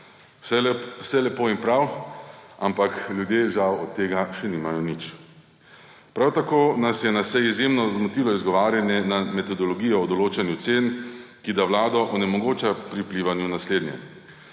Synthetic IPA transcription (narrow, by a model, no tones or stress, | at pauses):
sɛlɛpoːimpɾaw | a̰mpakljud̪jeːʒawɔt̪ːeːɡaʃɛniːmajɔnit͡ʃ | pɾawt̪akoːnasjɛnasɛizjemnɔzmɔt̪iːlɔizɡɔʋaːɾjanjɛnamɛt̪ɔd̪ɔlɔɡijɔːd̪ɔloːt͡ʃanjut̪seːnkid̪awlaːd̪ɔʔɔnɛmɔɡoːt͡ʃapɾipliʋanjunasleːd̪njɛ̰